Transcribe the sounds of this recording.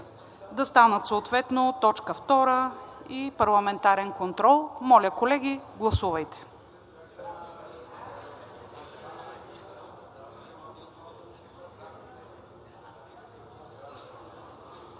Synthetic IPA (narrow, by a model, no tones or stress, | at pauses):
d̪ɐst̪anət̪soot̪vɛt̪not̪ɔt͡ʃkəft̪ɔɾəipɐɾlˠɐmɛnt̪aɾɛnkont̪ɾɔlˠmɔlʲəkolɛɡʲiɡlˠɐsuvɐjt̪ɛ̥